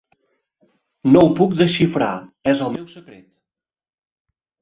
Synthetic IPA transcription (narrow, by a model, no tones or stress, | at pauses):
nowpuk̚d̪əʃifɾa̰ɛzəlˠmɛwsəkɾet̪